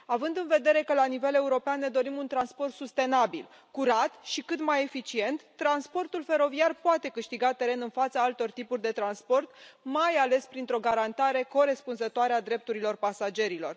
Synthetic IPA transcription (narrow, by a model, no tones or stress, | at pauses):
avɨnd̪ɨnve̞d̪e̞ɾe̞kəlanive̞le̞uɾo̞peanːe̞d̪o̞ɾimunt̪ɾanspo̞rt̪sust̪e̞nabḭl | kuɾat̪ʃikɨt̪maje̞fit͡ʃie̞nt̪ːɾanspo̞rt̪ulfe̞ɾo̞viarpoat̪e̞kɨʃt̪iɡat̪e̞ɾe̞nɨnfat̪səalt̪o̞rt̪ipurʲd̪e̞t̪ɾanspo̞rt̪majale̞spɾint̪ɾo̞ɡaɾant̪aɾe̞ko̞ɾe̞spunzət̪oaɾead̪ɾe̞p̚t̪uɾilo̞rpasad͡ʒe̞ɾilo̞r